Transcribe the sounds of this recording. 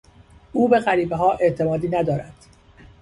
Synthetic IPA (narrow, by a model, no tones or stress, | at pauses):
ʔuːbe̞ɣæɾiːbeɦɒːʔe̞ʔt̪ʰe̞mɒːd̪iːnæd̪ɒːɾæd̪̥